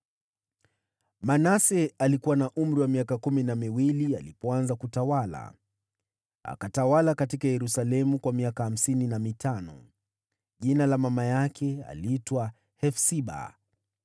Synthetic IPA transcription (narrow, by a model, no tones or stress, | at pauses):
manasɛalikuwanaʔum̩ɾiwamiakakuminamiwilia̰lipɔanzakutawala̰ | a̰katawalakatikajɛɾusalɛmukwamiakaham̩sininamitʰanɔ̰ | ʄinalamamajakʰɛa̰litwa | hɛfsiɓa̰